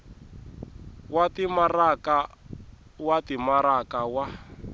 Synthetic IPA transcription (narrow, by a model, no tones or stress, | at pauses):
watimaraka | watimaɾakawa